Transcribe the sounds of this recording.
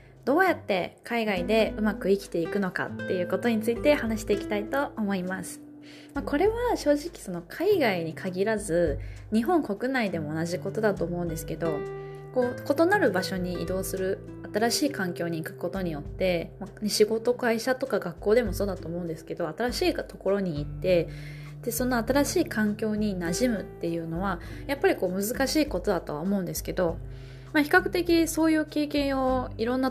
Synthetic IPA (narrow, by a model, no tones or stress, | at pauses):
d̪o̞ːjat̪ːe̞kʰaiɡaid̪e̞ɯ̟makɯ̟ikʲi̥t̪e̞ikɯ̟no̞ka̰t̪ːe̞jɯ̟ːko̞t̪o̞ɲ̟it͡sɨit̪e̞hanaɕi̥t̪e̞ikʲi̥t̪ait̪o̞ːmo̞imasɨ̥ | mako̞ɾe̞βaɕo̞ːʑikʲi̥so̞no̞kʰaiɡaiɲ̟ikʰaɡʲiɾazɨɲ̟iɦõ̞ŋko̞kɯ̟naid̪e̞mo̞ːnaʑiko̞t̪o̞d̪at̪o̞ːmo̞ɯ̟̃nd̪esɨ̥ke̞d̪o̞ | ko̞ːko̞t̪o̞naɾɯ̟baɕo̞ɲ̟iːd̪o̞ːsɨɾɯ̟ | at̪aɾaɕiːkãŋkʲo̞ːɲ̟iːkɯ̟̥ko̞t̪o̞ɲ̟ijo̞t̪ːe̞maneɕiɡo̞t̪o̞kaiɕat̪o̞kaɡakːo̞ːd̪e̞mo̞so̞ːd̪at̪o̞ːmo̞ɯ̟̃nd̪e̞sɨ̥ke̞d̪o̞at̪aɾaɕiːt̪o̞ko̞ɾo̞ɲ̟iːt̪ːe̞ | d̪̥e̞so̞noat̪aɾaɕiːkʰãŋkʲo̞ːɲ̟inaʑimɯ̟t̪ːe̞jɯ̟ːno̞βa | japːaɾʲiko̞ːmɯ̟zɨkaɕiːko̞t̪o̞d̪at̪o̞βa̰omo̞ɯ̟nd̪e̞sɨ̥ke̞d̪o̞ | maçi̥kakɯ̟̥t̪e̞kʲiso̞ːjɯ̟ːke̞ːkẽ̞ɰ̃o̞iɾõ̞nːa